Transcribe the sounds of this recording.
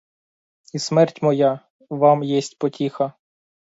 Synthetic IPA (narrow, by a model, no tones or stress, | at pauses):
ismɛrtʲmɔja | ʋɑmjɛsʲtʲpɔtʲixɐ